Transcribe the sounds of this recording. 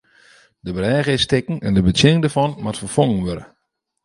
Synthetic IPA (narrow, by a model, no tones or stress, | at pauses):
dəbərɛːɣɪstɪkn̩ɛndəbətjɪnɪŋdərfɔnmatfərfɔŋənʋøɾə̰